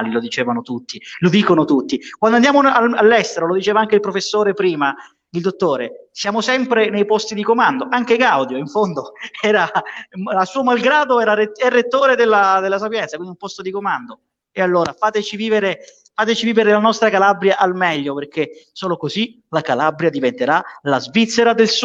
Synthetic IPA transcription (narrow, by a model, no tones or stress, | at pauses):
lilod̪it͡ʃeːvanot̪ut̪ːilod̪iːkonot̪ut̪ːikwand̪oand̪jaːmoaalːɛst̪eɾolod̪it͡ʃeːvaaŋk̟eilpɾofesːoːɾepɾiːma | d̪ild̪ot̪ːoːɾesjaːmosɛmpɾenejpɔst̪id̪ikomand̪oʔaŋk̟eɡawd̪joiɱfond̪oɛːɾa | asuːomalɡɾaːd̪oɛːɾaeɛrːet̪ːoːɾed̪elːad̪elːas̬apjɛnt̪sakwind̪iumpɔst̪od̪ikomand̪o | ealːoːɾafaːt̪et͡ʃiviːveɾe | faːt̪et͡ʃiviːveɾelanɔst̪ɾakalabɾjaʔalmɛʎːoperk̟esoːlokozi | lakalabɾjad̪ivent̪eɾalazvit̪sːeɾad̪els